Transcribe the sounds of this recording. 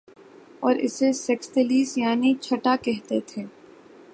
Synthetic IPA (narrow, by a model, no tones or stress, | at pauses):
ɔːɾɪ̰sesɛksʈeliːsjaːnit͡ʃʰɐʈakɛɦt̪et̪ʰeː